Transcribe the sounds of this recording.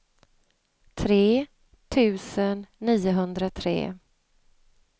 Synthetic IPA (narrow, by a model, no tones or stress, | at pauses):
t̪ʰɾeː | t̪ʰʉ̟ːsənːiːʊɦɵnd̪ɾat̪ʰɾḛː